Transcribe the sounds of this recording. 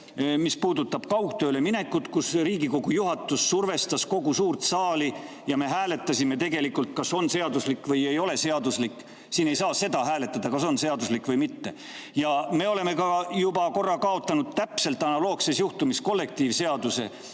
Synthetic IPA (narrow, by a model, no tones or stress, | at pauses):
mispuːd̪ut̪ːˑɑb̥kɑwk̚t̪ø̞ːle̞mine̞kːˑut̪kusriːɡiko̞ɡ̥ujuɦɑt̪ːˑusːurve̞st̪ɑsko̞ɡusuːrt̪sɑːli | jɑme̞ɦæːle̞t̪ːˑɑsime̞t̪̬e̞ɡe̞likːult̪̚kɑso̞nse̞ɑd̪uslikːvɤje̞jo̞le̞se̞ɑd̪uslikːˑ | siːne̞jsɑːse̞d̪ɑɦæːle̞t̪ːˑɑd̪̥ɑkɑso̞nse̞ɑd̪uslikːvɤjmit̪ːe̞ | jɑme̞o̞le̞me̞kɑjubɑko̞rːɑkɑo̞t̪ˑːɑnud̪̥̚t̪æpse̞lt̪ːˑɑnɑlo̞ːksesjuht̪umisko̞lːe̞k̚t̪iːvse̞ɑd̪̥use̞̰